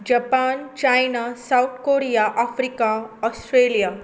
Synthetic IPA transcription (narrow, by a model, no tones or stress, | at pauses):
d͡ʑapaːnt͡ɕajnasawt̪ʰkoɾijaʔafɾikaɔsʈɾelija